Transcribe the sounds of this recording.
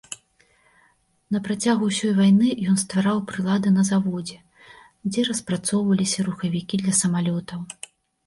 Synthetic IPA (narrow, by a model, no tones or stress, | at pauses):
nɐpɾat͡sʲaɣusʲɔjvajnɨjɔnst̪vaɾawpɾɨlˠad̪ɨnɐzavɔd͡zʲɛ | d͡zʲɛɾɐspɾat̪sɔwvɐlʲisʲɐɾuxɐvʲikʲid̪lʲɐsɐmalʲɔt̪ɐw